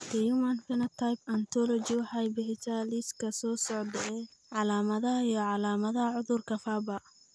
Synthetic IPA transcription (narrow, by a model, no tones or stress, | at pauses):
t̪ijumɐnfɛnɐt̪ʰajpɐnt̪ʰɔlɔt͡ʃiwɑħɑjbɪħɪt̪aliskʰɐsɔːsɔʕd̪ɛɛʕɑlaːmɐðɐɦɐijɔʕɑlaːmɐðɐɦɐʕʊðʊrkʰɐfaːbɐ